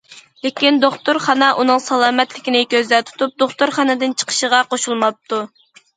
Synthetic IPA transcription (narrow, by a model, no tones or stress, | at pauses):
lekʲind̪oχt̪uɾχɑnɑʔunɨŋsɑlˠɑːmɛt̪lɪkʲinɪkʲøzd̪ɛt̪ʰu̥t̪up̚d̪oχt̪uɾχɑnɨd̪ɪnt͡ʃʰə̥qʰə̥ʃəʁɑqoʃulˠmɑp̚t̪ʰu